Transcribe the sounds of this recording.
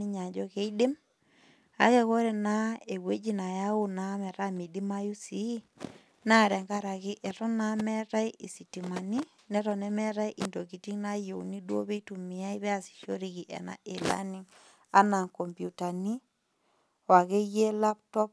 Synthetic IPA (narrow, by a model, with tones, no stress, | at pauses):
i˦ɲa˨d͡ʒɔ˦ke˦i˦dɪ˦m | a̰˨˦kɛ˨ko˦ɾe˨na˦e˨we˦d͡ʒi˦na˨ja˦u˦na˦mɛ˨ɾa˦mi˨di˦ma˦ju˦si˦ | na˦˨ɾɛ˨ŋɡa˦ɾa˨kɪ˦ʔɛ˨tɔ˦na˦mɛ˦ɾa˦i˦ʔi˨si˨ti˨ma˨ni˦ | nɛ˦ɾɔ˨nɛ˦mɛ˦ɾa˦i˦ʔi˨ndo˨ki˨ti˦ŋna˦jo˨u˨ni˦dwo̰˦βe˦i˦tu˨mɪ˨a˦i˦βɛ˦a˨si̥˨ʃo˦ɾi˨ki˨ʔɛ̰˨na̰˨ʔe˨la̰˦ni˦ŋ | a˦na˨ŋkɔ˨mpju˨ta˨ni˦ | wa˨ke˦je˦la˦ptɔ˦p̚